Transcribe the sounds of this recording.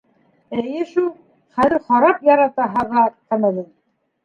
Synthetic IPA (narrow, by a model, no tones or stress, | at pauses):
ɘjɘʃulˠ | χæðɘ̆ɾχɑɾɑpjɑɾɑt̪ɑɦɑʁɑq̪æmæðɘn